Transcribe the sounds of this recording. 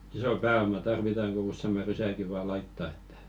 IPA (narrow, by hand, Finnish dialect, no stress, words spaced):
iso pæːomɑ tɑrʋitɑŋ ku usːemɑ rysæŋki ʋɑː lɑitːɑ e̥tːæ̥